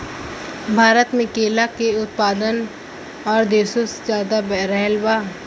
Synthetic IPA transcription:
bʱaːɾət̪mɪ̃keːlakeʊt̪̚paːd̪ən | ɔːɾd̪eːsoszjaːd̪abɾɛɦlbaː

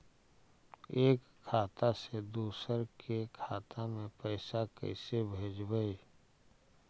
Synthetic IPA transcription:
eːkʰːaːt̪ased̪uːsəɾkʰekʰaːt̪amẽpəɪsakə̰ɪsebʱeːd͡ʒbəi

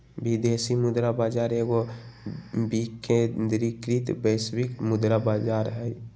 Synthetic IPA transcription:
bid̪esimʊd̪ɾabaːd͡ʒaːɾeɡo | bikʰend̪ɾikɾit̪bəswikmʊd̪ɾabad͡ʒaɾɦɛj

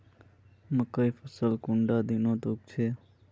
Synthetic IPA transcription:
məkəjfʰəsəlkʊ̃ɳɖad̪inoːt̪ok̚t͡ʃʰeː

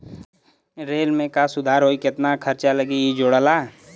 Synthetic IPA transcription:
ɾeːlmẽkasʊd̪ʱaːɾɦoːikɪt̪nakʰɐɾt͡ʃaləɡiid͡ʒoːɽəlaː

